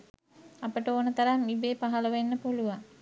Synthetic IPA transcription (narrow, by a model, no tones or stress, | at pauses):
ɐpəʈəonət̪ɐɾamibeːpaɦɐləʋenːəpoluʋaŋ